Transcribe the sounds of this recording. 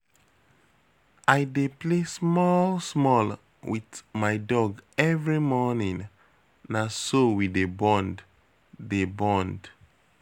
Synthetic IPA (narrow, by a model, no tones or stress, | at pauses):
ajdeplesmɔlsmɔl | witmajdɔɡɛvɹimɔnĩŋ | nasowidebɔ̃ndː | ebɔ̃nd